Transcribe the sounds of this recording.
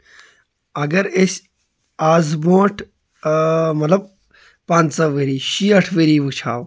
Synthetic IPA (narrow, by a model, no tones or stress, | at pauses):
ɐɡɐɾes | aːzboːʈʰ | mɐt̪lɐb̚ | pãːnsɐʋeɾiːɕiɐʈʰʋeɾiːʋut͡ʃʰaːw